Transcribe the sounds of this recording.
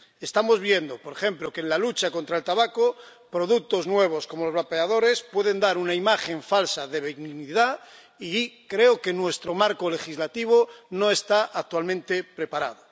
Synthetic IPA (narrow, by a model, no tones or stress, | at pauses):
e̞st̪amo̞zβje̞nd̪opoɾexe̞mplokeːnlalut͡ʃako̞nt̪ɾaelt̪aβakopɾo̞ðuk̚t̪o̞znwe̞β̞osko̞mo̞lozβapeað̞o̞ɾe̞spwe̞ðe̞nd̪aɾunaimaχe̞ɱfalsaðe̞βeniniða | ikɾe̞oke̞nwe̞st̪ɾo̞maɾkole̞xizlat̪iβ̞ono̞e̞st̪aʔak̚t̪walmẽnt̪epɾe̞paɾað̞o